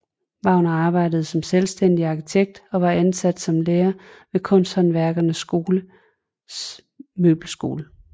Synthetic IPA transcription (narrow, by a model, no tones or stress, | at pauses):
b̥ɑ̈ʊ̰nɐɑ̈ːb̥ɑ̈ɪ̰d̥əð̩ˠsɒ̽mselsd̥en̰d̥iɑ̈kʰit͡sʰeɡ̥̚d̥ɒ̽ʋɑ̈ænsæd̥sɒ̽mleːɐʋe̝kʰɔ̽n̰sd̥hɒ̽nʋæɐɡ̥ɐnəsːɡ̥o̝ːlə | mø̰ːb̥l̩sɡ̥o̝̰ːlə